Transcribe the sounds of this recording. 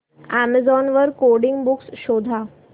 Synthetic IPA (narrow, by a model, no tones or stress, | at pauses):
æməd͡zɔnʋəɾkoɾɽiŋɡbuksɕod̪ʱa